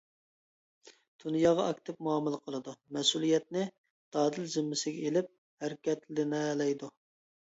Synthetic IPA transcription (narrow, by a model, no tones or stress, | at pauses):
d̪̥unjɑːʁɑɑkʲt̪ʰɪp̚muɑmɨlˠəqʰəlˠɨd̪umɛsulˠijɛt̪̚nɪ | d̪̥ɑːd̪ɪld͡ʒ̪ɪmːɪsɪɡʲɛelɪp̚ | hæɾkʲɛt̪llɪnɛlɛjd̪u